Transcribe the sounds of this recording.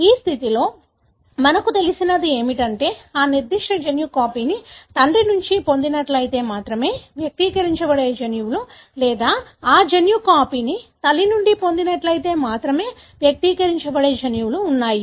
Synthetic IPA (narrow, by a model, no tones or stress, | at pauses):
iːst̪ʰit̪ilo̞ː | mɐnɐkut̪e̞lisinɐd̪ie̞ːmiʈɐɳʈe̞ːaːniɾd̪iʂʈɐd͡ʒɐnjukaːpiːnit̪ɐɳɖinuɲt͡ʃipo̞nd̪inɐʈlɐjit̪e̞ːmaːt̪ɾɐme̞ːʋjɐk̚t̪iːkɐɾiɲt͡ʃɐʋɐɽeːd͡ʒɐnjuwulu | lɛːd̪aːaːd͡ʒɐnjukaːpiːnit̪ɐlːinuɳɖipond̪inɐʈlɐjit̪e̞ːmaːt̪ɾɐme̞ː | ʋjɐk̚t̪iːkɐɾiɲt͡ʃɐbɐɽeːd͡ʒɐnjuwuluːnːaːju